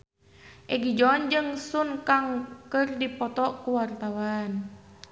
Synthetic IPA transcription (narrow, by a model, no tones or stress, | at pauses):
ʔɛɡid͡ʒɔnd͡ʒɨŋsunkaŋkərdipɔt̪ɔkuwart̪awan